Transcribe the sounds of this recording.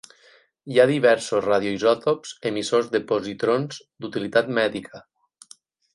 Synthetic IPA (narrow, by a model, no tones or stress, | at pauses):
jaðiβɛɾsosraðjoizɔt̪opz̥emisozðəpozit̪ɾonz | d̪ut̪ilit̪at̪mɛðikʰə